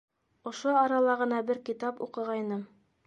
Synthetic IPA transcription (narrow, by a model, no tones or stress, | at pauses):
ŏʃoɑɾɑlˠɑʁɤ̆n̪ɑbɘɾkit̪ɑpṵqɤ̆ʁɑjnɤm